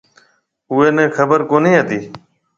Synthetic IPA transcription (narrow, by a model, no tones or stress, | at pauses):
ʊːeːnẽːkʰəbəɾkoːniːɦət̪iː